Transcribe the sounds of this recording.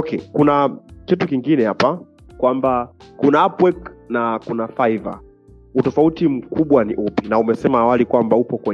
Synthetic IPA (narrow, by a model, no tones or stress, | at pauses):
kʰɛkunakitukiŋɡinɛhapa | kwambakunaapwɛknakunafaiva̰ | utɔfautim̩kuɓwaniʔupinaumɛsɛmaːwalikwambaupɔkwɛ